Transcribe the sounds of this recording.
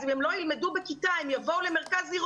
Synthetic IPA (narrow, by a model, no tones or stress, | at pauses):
zimhɛmlojilmedubekitaimjavoulemeʁkaziʁ